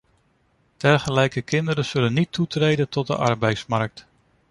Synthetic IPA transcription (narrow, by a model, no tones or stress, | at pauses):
d̥ɛɹχəlɛjkəkɪndəɾəz̥ɵlənːitʰːutrejdəntɔt̚də̰ʔɑɹbɛjtsmɑɹk̚t